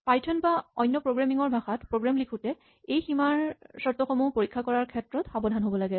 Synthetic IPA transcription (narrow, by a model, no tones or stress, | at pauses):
pajtʰɔnbaɔjnːɔpɹoɡɹamiŋɔɹbʱaxatpɹoɡɹamlikʰutɛ | ejximaɹsɔɹtɔxɔmupoɹikʰːakɔɹaɹkʰɛtɹɔtxabɔdʱanɦobɔlaɡɛ